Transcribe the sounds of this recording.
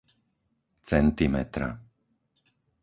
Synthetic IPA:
t͡sɛnt̪imɛ̰t̪ɾa̰

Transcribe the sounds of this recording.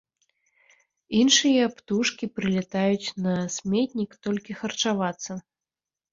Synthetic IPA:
inʂɨjɐpt̪uʂkʲipɾɨlʲɛt̪ajut͡sʲnɐsʲmʲɛt̪ʲnʲikt̪ɔlʲkʲixɐrt͡ʂavat̪sːɐ

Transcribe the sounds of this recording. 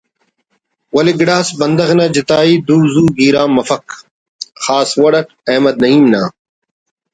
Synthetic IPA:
wɐliɡɪɽaːsbɐnd̪ɐɣnãːd͡ʑɪt̪aːiːd̪uːzuːɡiːɾaːmɐfɐk | xaːswɐɽɐk | ɐːmɐd̪̚nɐɦiːmnaː

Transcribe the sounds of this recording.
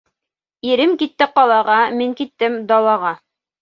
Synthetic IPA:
iɾɘmkit̪ːɘqɑlˠɑʁɑmiŋkit̪ːɘmd̪ɑlˠɑʁɑ

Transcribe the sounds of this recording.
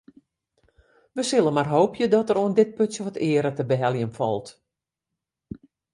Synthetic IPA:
ʋəsɪlˠəmarɦoːpjədɔtəɾoəndɪt̚pøtsjəʋɔtʰɪːəɾətəbəɦɛlˠjənfɔ̰lˠt

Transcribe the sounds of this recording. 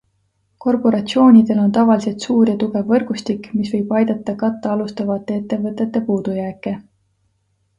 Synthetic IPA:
ko̞rpo̞ɾɑt̪sio̞ːnʲid̪̥e̞lo̞nt̪ɑvɑlise̞lt̪suːrjɑt̪uɡ̥e̞vːɤrɡ̥ust̪ikːˑmisvɤ̞jb̥ɑjd̪̥ɑt̪ˑːɑkɑt̪ˑːɑɑlust̪ɑvɑt̪ːˑe̞e̞t̪ːe̞vɤt̪ːˑe̞t̪ːˑe̞puːd̪̥ujæːkˑːe̞

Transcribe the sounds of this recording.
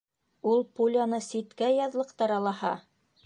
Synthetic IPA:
ulˠpulʲanɤsit̪kæjɑðlˠɤ̆qt̪ɑɾɑlˠɑhɑ̰

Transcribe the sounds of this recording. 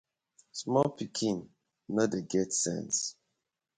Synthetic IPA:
smɔlpikʰĩn | nodeɡɛtsɛ̰̃ns

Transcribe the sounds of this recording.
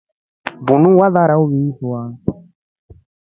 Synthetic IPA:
bunũwaðaɾauβisuwa

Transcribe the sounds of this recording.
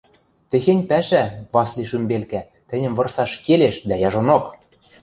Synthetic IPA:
t̪ĕxenʲpæʃæβɑsliʃymbelkæ | t̪ɘ̆nʲɘ̆mvɤ̆rsɑʃkeleʃd̪æjɑʒonok

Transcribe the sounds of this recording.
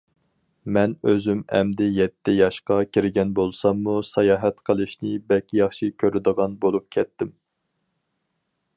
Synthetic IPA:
mɛnøzymɛ̰md̪ɪjɛt̪ʰːɪjɑʃqɑkʲʰiɾɪɡʲɛnbolˠsɑmːusɑjɑːɦɛt̪qʰəlˠɨʃnɪbɛlkʲʰijɑχʃikʲʰøɾɪd̪əʁɑnbolˠup̚kʲʰɛt̪ʰːɪm

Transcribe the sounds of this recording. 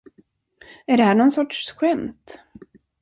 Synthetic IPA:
æɖɛhɦæːɳɔnsɔʈʂɧɛmt̪

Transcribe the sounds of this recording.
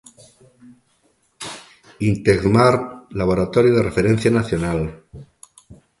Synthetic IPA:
int̪eɣmaɾlaβoɾat̪oɾjuð̞erefeɾen̟θjanaθjonal

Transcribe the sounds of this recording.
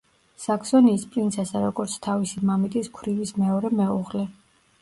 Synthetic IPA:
sakʰsɔniːspʼɾint̪sʰɛsaɾɔɡɔɾt̪sʰt̪ʰavisimamit̪ʼiskʰwɾivismɛɔɾɛmɛuʁlɛ

